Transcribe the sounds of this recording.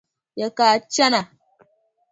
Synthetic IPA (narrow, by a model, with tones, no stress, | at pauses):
ja˨kaː˨t͡ʃa˦na˨